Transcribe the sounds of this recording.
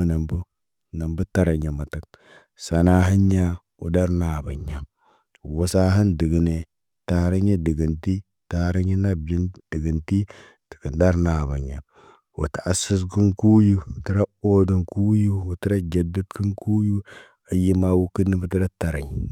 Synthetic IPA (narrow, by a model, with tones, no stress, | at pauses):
na˨mbu˦ | na˨mbu˦ta˨ɾa˨ɲa˨ma˨ta˦k̚ | sa˨na˦ɦi˦ɲːa˦ | ṵ˨da˦ɾna˨ba˨ɲːa˨ | wu˨sa˦ɦi˦ndi˨ɡi˨ne˨ | ta˨˦ɾa˦ɲe˦di˨ɡi˨nti˦ | ta˦ɾa˦ɲi˦na˦bd͡ʒi˦ndi˨ɡi˨nti˦ | ti̥˨kə˨nda˦ɾna˨ba˨ɲːa˨ | wṵ˨ta˨a˨si˦s̬ki˦ŋku˦ju˦˨ti˦ɾa˦o˦du˨ŋku˦ju˦wu˨ti˦ɾa˦d͡ʒa˨du˦tki˦ŋku˦ju˦ | a˨ji˦ma˦wu˦ki˦nːi˦bə˦ti˦ɾa˦ta˨ɾa˨ɲ˨